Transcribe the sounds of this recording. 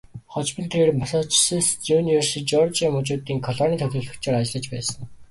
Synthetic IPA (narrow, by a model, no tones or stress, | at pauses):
χɔt͡ɕpə̆nt̪ʰeeːrmasɔt͡ɕsist͡suniwersiːt͡ɕɔrt͡ɕamʊt͡ɕʊːt̪iːŋkʰɔɮɔːniːt̪ʰœt̪ʊ̆ːɮɵ̆kt͡ɕʰeːɾat͡ɕɪ̆ɮə̆t͡ɕpæ̰ːsə̆n